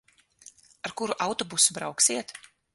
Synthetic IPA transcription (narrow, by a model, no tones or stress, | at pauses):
aɾkuɾuʔawt̪ɔbusubɾa̰wksiɛt̪